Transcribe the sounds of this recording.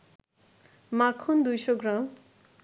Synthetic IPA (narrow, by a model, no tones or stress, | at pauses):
makʰːond̪ujsoɡɾam